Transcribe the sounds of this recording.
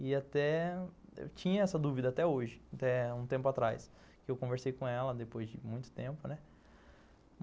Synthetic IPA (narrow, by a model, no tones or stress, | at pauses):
ɪat̪ɛ | ḛwt͡ʃĩɲɐɛsɐd̪uvid̪ɐat̪ɛoʒɪat̪ɛũt̪ẽmpʊat̪ɾajs | kɪewkõveɾsejkõɛlɐd̪epojzd͡ʒɪmũj̃t̪ʊ̥t̪ẽmpʊnɛ